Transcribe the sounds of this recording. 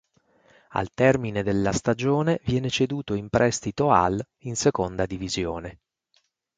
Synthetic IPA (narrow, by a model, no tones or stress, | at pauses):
a̰lt̪ɛrmined̪elːast̪ad͡ʒoːnevjɛːnet͡ʃed̪uːt̪oimpɾʔɛst̪it̪oa̰l | insekond̪ad̪ivizjoːne